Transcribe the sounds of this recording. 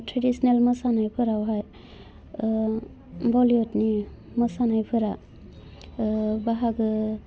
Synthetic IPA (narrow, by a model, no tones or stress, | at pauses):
tʰɾedisnelmɯsanajpʰɯɾawɦaj | bɔljɔtni | mɔsanajpʰɯɾa | baɦaɡɯ